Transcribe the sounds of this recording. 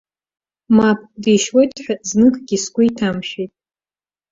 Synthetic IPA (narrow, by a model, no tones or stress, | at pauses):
map̚ʰʼdiʃwojtʼħʷᶣaznɨkʼɡʲiskʷʼʊitʰamʃejtʼ